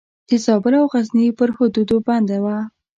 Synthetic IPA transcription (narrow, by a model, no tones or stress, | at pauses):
d̪̥əzɑbɪlawɣaznipəɾhod̪ud̪oband̪awa